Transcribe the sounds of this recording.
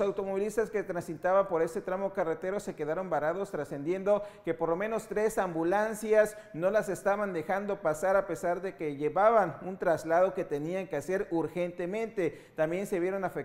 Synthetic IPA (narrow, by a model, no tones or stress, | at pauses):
sawt̪o̞mo̞βilist̪aske̞t̪ɾansit̪aβampo̞ɾe̞se̞t̪ɾamo̞karet̪e̞ɾo̞se̞ke̞ðaɾo̞mbaɾaðo̞st̪ɾase̞nd̪je̞nd̪o̞ke̞po̞ɾlo̞mẽ̞no̞st̪ɾe̞sambulansjas | no̞lase̞st̪aβand̪e̞xand̪o̞pasaɾape̞saɾðe̞ke̞ʝe̞βaβanunt̪ɾazlaðo̞ke̞t̪e̞niaŋkease̞ɾuɾxe̞nt̪e̞mẽ̞nt̪e̞ | t̪ambje̞nse̞βje̞ɾo̞nafek